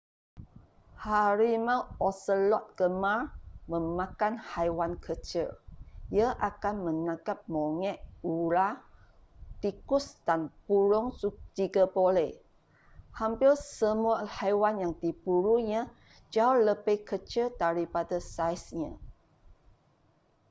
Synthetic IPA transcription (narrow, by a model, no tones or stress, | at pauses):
haɾimãwɔsəlɔt̪̚ɡ̥əmarmə̃mãkanhajwankʰət͡ʃəjəʔakanmənãɡap̚moŋɛʔuɾa | t̪ikʊsd̥anpuɾʊŋsud͡ʒiɡabolɛ | hampɪrsəmuahajwanjaŋdibuɾuɲã | d͡ʒaoləbekət͡ʃədaɾipadasajsɲã